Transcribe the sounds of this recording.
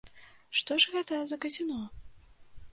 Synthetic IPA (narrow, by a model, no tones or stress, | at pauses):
ʂt̪ɔʂɣɛt̪ɐzɐkɐzʲinɔ